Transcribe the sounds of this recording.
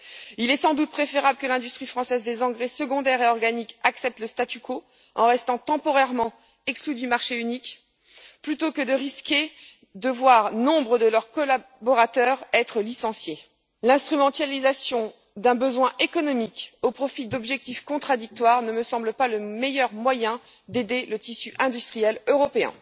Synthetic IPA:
ilɛsɑ̃d̪ut̪̚pχefeʁabləkəlɛ̃d̪yst̪χifχɑ̃sɛzd̪ezɑ̃ɡʁesəɡɔ̃d̪ɛʁeɔʁɡanikaksɛp̚t̪ləst̪at̪ykʰo | ɑ̰̃ʁɛst̪ɑ̃t̪ɑ̃pɔʁɛʁmɑ̃ | ɛksklyd̪ymaʁʃeynik | plyt̪okəd̪əʁiskʲe | d̪əvwaʁnɔ̃bʁəd̪əlœʁkɔla | bɔʁat̪œʁɛt̪χəlisɑ̃sje | lɛ̃st̪χymɑ̃t̪alizasjɔ̃ | d̪ɛ̃bəzwɛ̃ʔekɔnɔmikopχɔfid̪ɔbʒɛk̚t̪ifkɔ̃t̪χad̪ik̚t̪waʁnəməsɑ̃bləpaləmejœʁmwajɛ̃ | d̪ed̪elət̪isyʔɛ̃d̪yst̪χijɛløʁɔpeɛ̰̃

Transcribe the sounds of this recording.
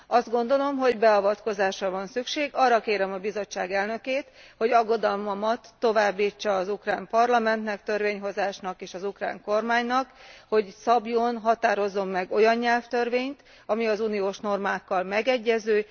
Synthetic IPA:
ɒzd̪ɡo̞n̪d̪o̞lo̞mɦo̞ɟbɛɒvɒt̪ko̞zaːʃrɒvɒnsykʃeːɡɒrːɒkeːɾɛmɒbizo̞t͡ʃːaːɡɛlnø̞keːt̪ho̞ɟɒɡːo̞d̪ɒlmɒmɒt̪ːo̞vaːbːiːt͡ʃːɒːzukraːmpɒrlɒmɛnt̪nɛkt̪ørveːɲɦo̞zaːʃnɒkeːʃɒzukra̰ːŋko̞rmaːɲnɒkho̞ɟsɒbjonɦɒt̪aːɾo̞zːo̞mːɛɡo̞jɒnɲɛlft̪ørveːɲt̪ | ɒmiɒzuːnijoːʃno̞rmaːkːɒlmɛɡɛɟːɛzøː

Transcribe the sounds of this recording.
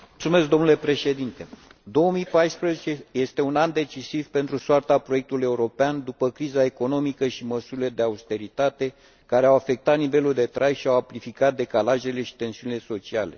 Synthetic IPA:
mult̪sume̞sk̚d̪o̞mnule̞pɾe̞ʃe̞d̪int̪e̞d̪o̞omijpajspɾəzet͡ʃeje̞st̪e̞unand̪e̞t͡ʃisivpe̞nt̪ɾusoart̪apɾo̞je̞k̚t̪uluje̞uɾo̞peand̪upəkɾizae̞ko̞no̞mikəʃiməsuɾile̞d̪e̞aust̪e̞ɾit̪at̪e̞ | kaɾe̞awafe̞k̚t̪at̪nive̞luld̪e̞t̪ɾʔajʃiawaplifikat̪̚d̪e̞kalaʒe̞le̞ʃi̥t̪e̞nsiunile̞so̞t͡ʃiale̞̰

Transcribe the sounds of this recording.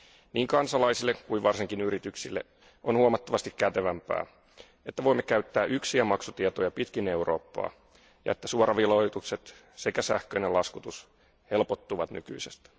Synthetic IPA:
niːŋkɑnsɑlɑjsilːekkuiʋɑrsiŋkinyɾit̪yksḭlːe | onhuɑmɑt̪ːɑʋɑst̪ikkæt̪eʋæmpæ̰ː | e̞t̪ːæʋo̞imːe̞kæyt̪ːæːʔyksiæmɑksut̪iet̪o̞jɑpit̪kine̞uro̞̰ːpːɑ̰ː | jɑ̰e̞t̪ːæsuoɾɑʋilojt̪ukse̞t̪ | sekæsæhkøjnelɑskut̪us | helpot̪ːuʋɑt̪ny̰ky̰isest̪

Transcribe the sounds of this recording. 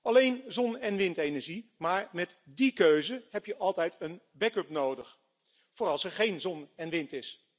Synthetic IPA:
ɑlejnzɔnɛnʋɪntejnəɹʒimaːɹmɛtdikøɥzəɦɛpjəʔɑlˠtɛjtən | bɛkɵpnowdəχ | foːrɑlˠsɛɹχejnzɔnɛnʋɪntɪs

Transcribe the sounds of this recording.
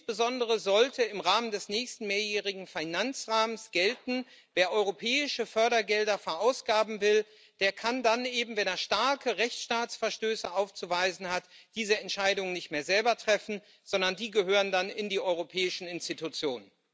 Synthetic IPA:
nsb̥əzɔndəʁ̞əzɔltəɪmʁaːməndɛsnɛːçstn̩meːɐjɛːʁɪɡŋ̩fanant͡sʁaːməsɡ̥ɛltn̩ | veːɐʔɔʏʁopʰɛːɪʃəfœɐɾɐɡɛldɐfɛɐʔaʊsɡ̥aːbm̩vɪl | d̥eːɐkʰandanʔeːbm̩vɛneːɐʃtaɐkʰəʁɛçt͡sʃtaːt͡sfɛɐʃtøːsəʔaʊft͡suvaɪzn̩hatd̥iːzəɛntʃaɪdʊŋənɪçtmeːɐzɛlbɐtʁ̥ɛfn̩ | z̥ɔndɐndiːɡəɦøːʁəndanɪndiːʔɔʏʁopʰɛːɪʃn̩ɪnstitut͡sjoːnən

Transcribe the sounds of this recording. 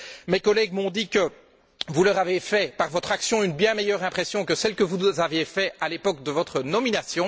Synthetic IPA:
mekɔlɛɡmɔ̃d̪ikə | vulœʁavefɛpaʁvɔt̪χaksjɔ̃ynbjɛ̃mejœʁɛ̃pχɛsjɔ̃kəsɛlkəvuzavjefɛalepɔk̚d̪əvɔt̪χənɔminasjɔ̃

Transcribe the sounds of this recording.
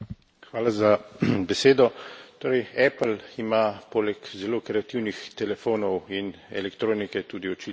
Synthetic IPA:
xʋaːlazabɛseːd̪ɔt̪oːɾɛjɛplimapoːlɛkzɛloːkɾɛat̪iwnixt̪ɛlɛfoːnɔwinɛ̰lɛkt̪ɾoːnikɛt̪uːd̪iɔt͡ʃit

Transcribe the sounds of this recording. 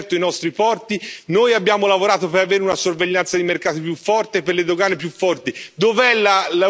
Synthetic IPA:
rt̪oinɔst̪ɾipɔrt̪inojabːjaːmolavoɾaːt̪opeɾaveːɾeunasorveʎːant̪sad̪imerkaːt̪ipjufːɔrt̪epːerled̪oɡaːnepjufːɔrt̪id̪ovɛlːala

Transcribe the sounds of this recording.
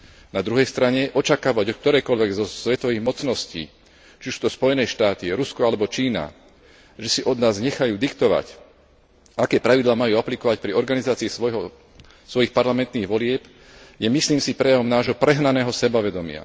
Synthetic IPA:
nad̪ɾuɦɛjst̪ɾaɲɛʔɔt͡ʃakaːʋaɟɔk̚t̪ɔɾɛːkɔʎʋɛɡzɔsʋɛt̪ɔʋiːɣmɔt͡snɔscḭː | t͡ʃiusuːt̪ɔspɔjɛnɛːʃt̪aːt̪iɾuskɔalɛbɔt͡ʃiːna̰ | ʒɛsiʔɔd̪naːzɲɛxajuːd̪ikt̪ɔʋa̰c | akɛːpɾaʋid̪laːmajuːaplikɔʋac̚pɾiɔɾɡanizaːt͡siːsɦɔ | sʋɔjixpaɾlamɛnt̪niːɣʋɔlɪɛp | jɛmisliːmsipɾɛjaʋɔmnaːʒɦɔpɾɛɦnanɛːɦɔsɛbaʋɛd̪ɔmɪa̰

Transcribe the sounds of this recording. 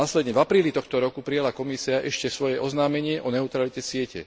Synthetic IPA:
aːslɛd̪ɲɛvapɾiːlit̪ɔxt̪ɔɾɔkupɾijalakɔmisiaʔɛʃcɛsʋɔjɛʔɔznaːmɛɲɪɛʔɔnɛut̪ɾalicɛsɪɛcɛ̰

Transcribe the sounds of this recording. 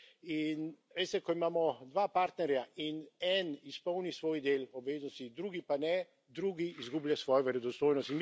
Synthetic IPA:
in | ʋest̪ɛkɔimaːmɔd̪ʋaːpaɾt̪nɛɾjainɛnispɔwnisʋoːjd̪eːlɔbʋeːznɔst̪id̪ɾuːɡipanɛ | d̪ɾuːɡiːzɡubljasʋɔːjɔʋɛɾɛd̪ɔst̪oːjnɔst̪in

